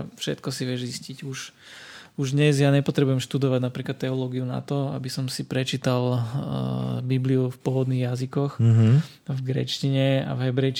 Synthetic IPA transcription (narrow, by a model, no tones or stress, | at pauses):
fʃɛ̰t̪kɔsiʋɪɛʒziscicuʃ | uʒd̪ɲɛzjaːɲɛpɔt̪ɾɛbujɛmʃt̪ud̪ɔʋaɟnapɾiːklat̪ːɛɔlɔɡiuna̰t̪ɔa̰bisɔmsipɾɛt͡ʃiːt̪al | bibliufpʊɔʋɔd̪niɣjazikɔx | vɡɾɛ̰t͡ʃciɲɛa̰vɦɛbɾɛjt͡ʃ